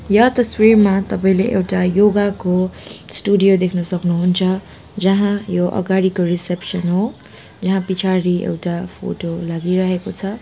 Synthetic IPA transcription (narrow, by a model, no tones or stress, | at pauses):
jʌt̪ʌswirmat̪ʌpaĩleʔewʈajoɡakosʈuɖijod̪ekʰnʌsʌknuɦunt͡sʰʌ | d͡zʌɦãjoʔʌ̰ɡaɽikoɾisepsʌnɦo | d͡zʌɦãpit͡sʰaɾiḛwʈapʰo̰ʈolaɡiɾʌɦekot͡sʰʌ